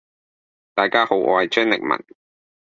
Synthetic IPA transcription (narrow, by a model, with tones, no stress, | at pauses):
t̪aː˨jkaː˥ho˨˥wʔɔː˧jt͡ʃʰɵ˥nlɪ̰˨k̚mɐ̰˨˩n